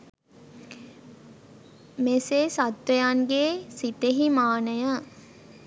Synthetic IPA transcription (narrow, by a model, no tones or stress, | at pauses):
meseːsat̪ʋəjanɡeːsit̪eɦimaːnəjə